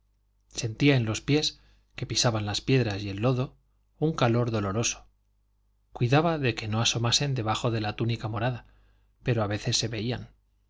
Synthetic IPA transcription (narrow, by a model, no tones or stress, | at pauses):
se̞nt̪iae̞nlo̞spje̞s | ke̞pisaβanlaspje̞ðɾasie̞lːo̞ðo̞ | uŋkalo̞ɾðo̞lo̞ɾo̞so̞̥ | kwiðaβaðe̞ke̞no̞aso̞mase̞nd̪e̞β̞axo̞ðe̞lat̪unikamo̞ɾaða | pe̞ɾoaβe̞θe̞sːe̞βe̞ian